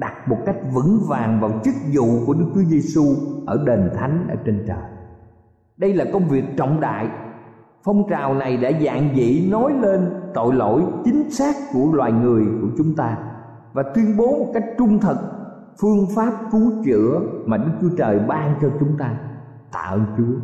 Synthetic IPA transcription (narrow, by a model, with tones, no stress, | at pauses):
ɗa˨˩t̚mo˨˩t̚ka˦˥jk̟̚vɨ̰˧˥ŋvaː˨˩ŋvaː˨˩wt͡ɕɨ˦˥k̚zṵ˧˨ku˧˩əɗɨ˦˥k̚t͡ɕu˨˦əze˧su˧ʔəː˧˩ɗe˨˩nt̪ʰa˨˦jŋ̟ʔəː˧˩t͡ɕe˧nt͡ɕəː˨˩j | ɗə˧jlaː˨˩kə˧wŋ͡mvi˨˩ək̚t͡ɕɔ̰˧˨wŋ͡mɗa̰ː˧˨j | fə˧wŋ͡mt͡ɕaː˨˩wna˨˩jɗa̰ː˧˥za̰ː˧˨ŋzḭ˧˨no˨˦jle˧nt̪o̰˧˨jlo̰˧˥˨jt͡ɕï˨˦ŋ̟saː˦˥k̚ku˧˩əlwaː˨˩jŋɨ˨˩əjku˧˩ət͡ɕʊ˨˦ŋ͡mt̪aː˧ | vaː˨˩t̪wi˧ənɓo˨˦mo˨˩t̚ka˦˥jk̟̚t͡ɕʊ˧ŋ͡mt̪ʰə˨˩k̚ | fɨ˧əŋfaː˦˥p̚ku˨˦t͡ɕɨ̰˧˥əmaː˨˩ɗɨ˦˥k̚t͡ɕu˨˦ət͡ɕəː˨˩jɓaː˧ŋt͡ɕɔ˧t͡ɕʊ˨˦ŋ͡mt̪aː˧ | t̪a̰ː˧˨ʔə˧nt͡ɕɨ˨˦ə